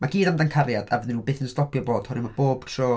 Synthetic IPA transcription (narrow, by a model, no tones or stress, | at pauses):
maɡiːdamdankʰaɾjada̰vɛðɪnuːbeːθənstɔpʰjɔboːd̥hɔɾɪmab̥oːb̥ʃoː